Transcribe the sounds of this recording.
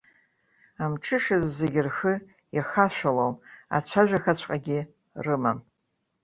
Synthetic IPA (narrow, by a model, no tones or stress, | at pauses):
amʈ͡ʂʰɨʂɨzːeɡʲɪrxɨ | jaxaʃᶣʷalowma̰t͡ɕʷʰaʒᶣaxat͡ɕʷʰqʼaɡʲɪ | rɨmam